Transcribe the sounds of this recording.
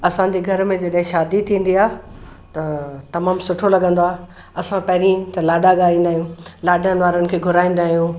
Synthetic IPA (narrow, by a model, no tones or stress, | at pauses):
ɐsãɲ̆d͡ʑiɡʱɐɾmẽd͡ʑɐɗɦɪ̃ʃaːd̪it̪ʰĩːn̆d̪iaːt̪ɐt̪ɐmaːmsʊʈʰolɐɠə̃nd̪oaːɦ | ɐsãpɐɦɪɾĩt̪ɐlaːɖaɠaːĩːn̆d̪aːɦijũːlaːɗənɪ̆ʋaːɾənɪ̆kʰeːɡʱʊɾaːĩːn̆d̪aːɦijũ